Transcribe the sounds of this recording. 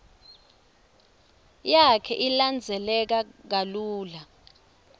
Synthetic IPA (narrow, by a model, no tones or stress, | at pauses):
jakʰɛʔiland͡zʱɛlɛk̬ak̬aluːla